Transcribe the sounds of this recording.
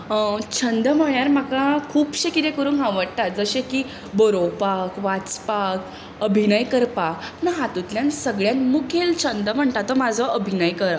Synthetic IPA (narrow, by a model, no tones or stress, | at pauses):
t͡ɕʰənd̪əm̤əɭjaɾmakakʰuːpɕekit̪ẽkəɾuːnɦãʋəɽ̚t̪at̪̚d͡zəɕekiː | bɔɾopakʋat͡spak | əbʱinəjkəɾpanəɦat̪ut̪ljansəɡɭjãnmukʰelt͡ɕʰənd̪əm̤əɳt̪at̪ːɔmad͡zʱɔʔəbʱinəjkəɾ